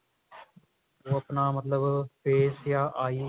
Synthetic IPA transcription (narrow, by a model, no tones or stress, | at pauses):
oːəpnaːmət̪ləbpeːsjaːʔaːiː